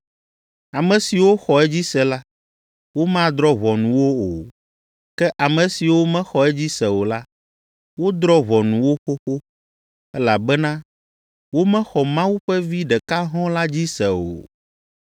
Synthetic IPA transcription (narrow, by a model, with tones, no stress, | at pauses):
a˨mɛ̃˨si˨wo˦xɔ˨ɛ˦d͡ʑi˦sɛ˨la˦ | wo˦mã˦d̪ɾɔ˦βɔ˨nũ˨wo˦o˨ | kɛ˦ʔa˨mɛ̃˨si˨wo˦mɛ̃˦xɔ˨ɛ˦d͡ʑi˦sɛ˨wo˨la˦ | wo˦d̪ɾɔ˦βɔ˨nũ˨wo˦xo˦xo˦ | ɛ˦la˨bɛ˦nã˦ | wo˦mɛ̃˦xɔ˨mã˦wu˦ɸɛ˦vi˦ɖɛ˨ka˦ɦɔ̃˦la˦d͡ʑi˦sɛ˨o̰˨